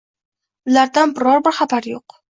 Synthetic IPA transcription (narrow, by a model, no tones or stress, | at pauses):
ʊlaɾd̪anbɪɾɒɾbɪɾχabaɾjoq